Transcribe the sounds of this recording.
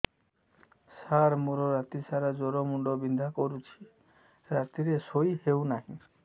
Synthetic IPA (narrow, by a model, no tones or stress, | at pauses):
saɾmuɾoɾat̪isaɾad͡ʒɔɾomuɳɖɔbind̪ʱakoɾut͡ʃʰi̥ | ɾat̪iɾesojhewnaɦĩ